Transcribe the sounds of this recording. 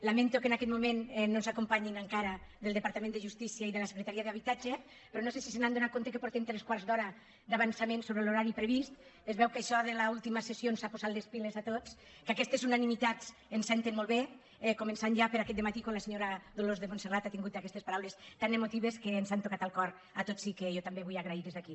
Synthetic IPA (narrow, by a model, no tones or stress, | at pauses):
lament̪okenakɛt̪̚mumennːonzakompaɲinaŋkaɾaðelˠd̪epaɾt̪amẽnd̪eʒust̪isiaiðelase̥kɾet̪aɾiaðaβit̪ad͡ʒe | pɾɔnosesisenand̪ounat̪̚kont̪ekepoɾt̪ɛmt̪ɾeskwaɾzd̪ɔɾa | d̪aβansamẽnsoβɾeloɾaɾipɾeβist̪ezβɛwkajʃɔðelaulˠt̪imasesjonsapozat̪lespilezat̪ot͡s | kakɛst̪ezunanimit̪at͡sensɛnt̪enmolˠβe | komensanʒapeɾakɛt̪d̪emat̪ikonlaseɲoɾaðolozðemonserat̪at̪iŋɡut̪akɛst̪espaɾawlest̪anemot̪iβeskeːnzant̪okat̪alˠkɔɾ | at̪osikejot̪ambeβujaɣɾaiðezðaki